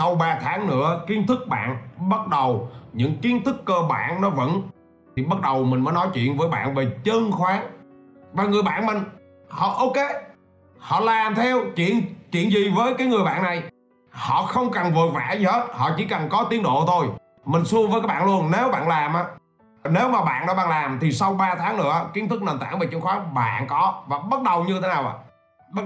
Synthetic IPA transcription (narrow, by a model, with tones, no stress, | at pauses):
ə˨˩wɓaː˨˩t̪ʰaː˨˦ŋnɨ̰˧˥əki˨˦ənt̪ʰɨ˦˥k̚ɓa̰ː˧˨nɓə˦˥t̚ɗə˨˩wɲɨ̰˧˥ŋki˨˦ənt̪ʰɨ˦˥kːəː˧ɓa̰ː˧˨nnɔ˨˦və̰˧˥n | t̪ʰi˨˩ɓə˦˥t̚ɗə˨˩wmï̟˨˩ə˨˦jnɔ˨˦jt͡ɕwḭ˧˨ənvəː˨˦jɓa̰ː˧˨nve˨˩t͡ɕə˧nxwaː˨˦ŋ | vaː˨˩ŋɨ˨˩əjɓa̰ː˧˨nmï˨˩ŋ | hɔ̰˧˨ʔə˧wke˨˦ | hɔ̰˧˨laː˨˩mt̪ʰɛ˧wt͡ɕwḭ˧˨ənt͡ɕwḭ˧˨ənzi˨˩vəː˨˦jkaː˨˦jŋɨ˨˩əjɓa̰ː˧˨nːa˨˩j | hɔ̰˧˨xə˧wŋ͡mkə˨˩nvɨ̰˧˨ət̚vaː˧˩˥zi˨˩he˦˥t̚hɔ̰˧˨t͡ɕḭ˧˩kə˨˩nkɔ˨˦t̪i˨˦ənɗo̰˧˨t̪ʰo˧j | mï˨˩ŋ̟su˧əvəː˨˦kaː˨˦jɓa̰ː˧˨nlu˧ənne˨˦wɓa̰ː˧˨nlaː˨˩mʔaː˨˦ | ne˨˦wmaː˨˩ɓa̰ː˧˨nɗɔ˨˦ɓaː˧˩nlaː˨˩mt̪ʰi˨˩sa˧wɓaː˧t̪ʰaː˨˦ŋnɨ̰˧˥ə˧ki˨˦ənt̪ʰɨ˦˥k̚nəː˨˩nt̪a̰ː˧˥ŋve˨˩t͡ɕə˧nxwaː˨˦ŋɓa̰ː˧˨nkɔ˨˦vaː˨˩ɓə˦˥t̚ɗə˨˩wɲɨ˧t̪ʰe˨˦naː˨˩ʔa̰ː˧˨ | ɓ̚